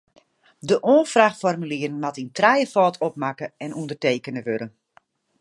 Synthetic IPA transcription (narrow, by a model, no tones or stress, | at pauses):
dəʔoːfraxfɔrmyliːərn̩matintrɛjəfɔːtʰɔpmakəɛnundərteːkənəʋøɾən